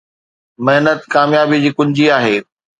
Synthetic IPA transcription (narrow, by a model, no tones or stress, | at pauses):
mɐɦnət̪kaːmjaːbid͡ʑiːkʊ̃ɲd͡ʑiaːɦeː